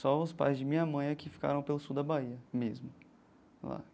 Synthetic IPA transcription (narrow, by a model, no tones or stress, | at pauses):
sɔʊspa̰jzd͡ʒɪmĩɲɐmɐ̃j̃ɐkɪfi̥ka̰ɾɐ̃w̃pelʊsud̪ɐbaiɐmezmʊ | la̰